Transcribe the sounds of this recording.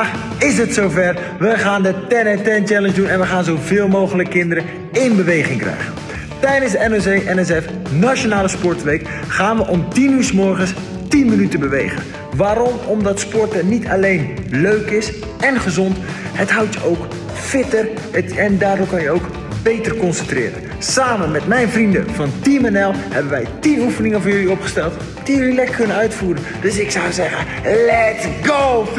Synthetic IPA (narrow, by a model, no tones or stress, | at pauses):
ɪsətsowvɛr | ʋəχaːndətɛnɛtɛnt͡ʃɛlənzdunɛnʋəχaːnzowvɪːlˠmowχələkːɪndəɾə | ɪnbəʋejχɪŋkrɛ̰jɣə̰n | tɛjdənzdəɛnozeʔɛnɛs̬ɛf | nat͡ʃonaːləspɔɹtʋejk | χaːnʋəʔɔmtinyɹsmɔɹχəns | tinmənytəbəʋḛjχə̰n | ʋaːɾɔmɔmdɑtspɔɹtənitʰa̰lejnløɥkɪs | ɛnχəzɔnthətɦawtjəʔowk | fɪtər | ɛndaːdɔkɑnjəowk | b̥ejtərkɔnsəntrɪ̰ːɾə̰n | saːmənmɛtmɛjnvrində̰vɑntimɛnɛlˠhɛbənʋɛjtinufənɪŋəvɔːɹjɵliopχə̥stɛlˠt | d̥ijəlilɛk̚kʰɵnənœɥtfuːɾəndøsɪksawzɛɣən | lɛtsɡoː